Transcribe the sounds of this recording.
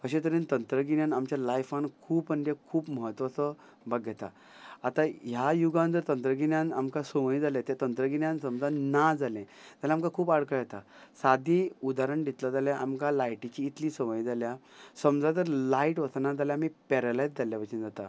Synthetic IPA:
kəɕẽt̪əɾĩnt̪ənt̪ɾəɡinjãnamt͡ɕjalajfankʰuːpmənd̪ekʰuːpməɦət̪ːʋat͡sə | baɡjɛt̪a̰ | at̪ajajuɡãnt̪əɾt̪ənt̪ɾəɡinjãna̰mkãsəʋəĩd͡zalãt̪jat̪ənt̪ɾəɡinjãnsəmd͡zanːad͡zalɛ̃ | d͡z̪alamkãkʰuːpaɽkəjɛt̪asad̪ʱĩud̪aɾəɳɖ̪it̪lad͡zaljaʔamkãlajʈit͡ɕiːt̪liːsəʋəjĩd͡zaljasəmd͡zat̪əɾlaiʈʋətanad͡zaljamipɛɾalajd͡zd͡zaljaʋət͡ɕind͡zat̪a

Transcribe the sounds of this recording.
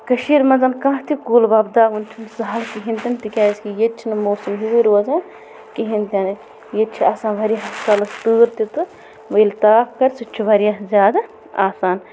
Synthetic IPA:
kɐʃiɾmɐnzɐnkãːɦt̪ʰikuːlbɐbd̪aːʋunt͡ʃʰunzɐɦɐlkiɦint̪ʲɐnt̪ikʲaːskijet͡ʃʰinɨmoːsumɦiziɾuɐzaː | kiɦint̪ʲɐn | jet͡ʃʰiaːsãːnʋɐɾʲjaɦɐt̪ɐlɐst̪ɨːɾt̪it̪ɨ | ʋɐilt̪aːfkɐɾʲsɨt͡ʃʰuʋɐɾijaɦzʲjaːd̪a | aːsaːn

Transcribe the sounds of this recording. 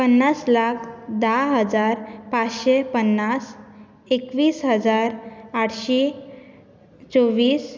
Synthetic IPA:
pənːaslakʰd̪aɦəd͡zaɾpat͡sɕepənːas | ekʋiːsɦəd͡zaɾaʈʰɕe | t͡soʋiːs

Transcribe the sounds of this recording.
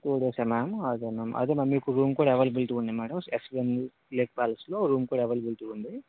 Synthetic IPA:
t̪uːɽeːsaːmaːmɐd̪eːmaːmʔɐ̰d̪eːmɐmmiːkuɾuːmkuːɽaɛʋɐlbulʈuːnd̪imaːɽɐmeksʋen | leːk̚paːlɐsloːɾuːmkuːɽaɛʋɐlbulʈuːnd̪i

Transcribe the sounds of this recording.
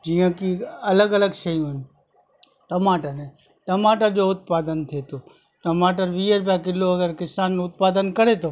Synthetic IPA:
d͡ʒijãkiɐləɡələɡʃəjũɦɪn | ʈɐmaːʈəɾẽ | ʈɐmaːʈad͡ʒoʊt̪̚paːd̪ənt̪ʰet̪oː | ʈɐmaːʈ̬əɾʋiːəɾbakɪlːoɐɡəɾkɪsaːnːʊt̪̚paːd̪ənkəɾet̪o

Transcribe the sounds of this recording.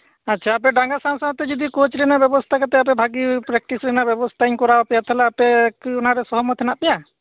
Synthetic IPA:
atːʃʰaːp̬ɛɖãŋɡasãwsat̪ɛd͡ʒɔd̪ikot͡ʃɾɛnabjɛbɔst̪ʰakat̪ɛap̬ɛbʱaɡipɾɛk̚ʈisɾɛnaʔbjɔbɔst̪ʰaiɲkɔɾabapɛjat̪ʰɛlaːpɛkunaɾɛsɔɦɔmɔt̪ʰɛnaʔpɛja

